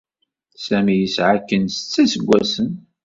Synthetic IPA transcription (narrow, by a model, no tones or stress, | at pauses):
sæmijəsʕakːənst͡sːæsəɡʷːæsən